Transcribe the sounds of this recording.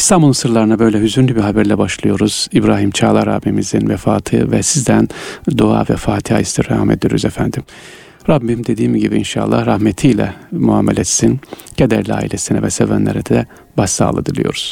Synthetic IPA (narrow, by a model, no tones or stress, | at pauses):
st̪ʰambulˠsɯɾlˠaɾɯnabøjlʲɛɦyzyɾnlʲybiɦabæɾlʲɛbaʃlˠɯjo̞ɾuz̥ibɾaːɦimt͡ʃʰaːlˠaɾa̰bimizinvɛfaːt̪ʰɯvɛsizd̪ænd̪oa̰ːvɛfaːt̪ʰihaːist̪iɾɛhamḛd̪ijoɾyzɛfænd̪im | ɾabːimd̪e̞d̪iːmiɟibiinʃa̰ːlˠːa̰hɾahmet̪ʰijlʲɛ̰mua̰ːmelʲɛːt̪sincʰed̪æɾlʲia̰ːḭlʲesinɛvɛsevænlʲḛɾɛd̪ɛd̪ɛ | basːa̰ːlˠa̰d̪ɯlˠɯ̰jo̞̰ɾuz̥